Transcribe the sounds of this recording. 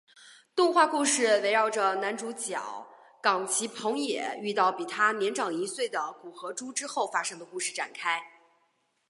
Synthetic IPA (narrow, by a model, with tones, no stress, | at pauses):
t̪ʊ˥˧ŋxwa˥˧ku˥˧ʂɻ̩˥˩we˧˥ɪɻɑ˥˩ʊʈ͡ʂə˩na˧˥nʈ͡ʂu˧˥t͡ɕjɑ˨˩˦ʊ | kɑ˨˩ŋt͡ɕʰi˧˥pʰɤ˧˥ŋjɛ̰˨˩˦y˥˧t̪ɑ˥˩ʊpi˨˩t̪ʰa˥njɛ˧˥nʈ͡ʂɑ˨˩ŋi˧˥swe˥˩ɪd̪ə˩ku˨˩xɤ˧˥ʈ͡ʂu˥ʈ͡ʂɻ̩˥xo˥˩ʊfa˥ʂɤ˥ŋd̪ə˧ku˥˧ʂɻ̩˥˩ʈ͡ʂa̰˨˩nkʰa˥ɪ